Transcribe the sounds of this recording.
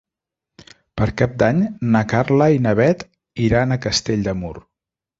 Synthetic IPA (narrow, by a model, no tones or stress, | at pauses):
pəɾkap̚d̪aɲnəkarləinəβɛt̪ | iɾanəkəst̪eʎd̪əmur